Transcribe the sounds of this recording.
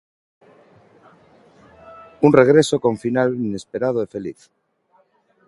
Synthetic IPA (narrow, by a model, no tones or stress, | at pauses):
unreɣ̞ɾesokõ̞ɱfinalinespeɾað̞oefe̞lḭθ